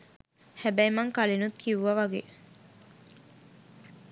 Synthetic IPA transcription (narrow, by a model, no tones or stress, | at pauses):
hæbæjmɐŋkalinut̪kʰiʋuʋɐʋaɡeː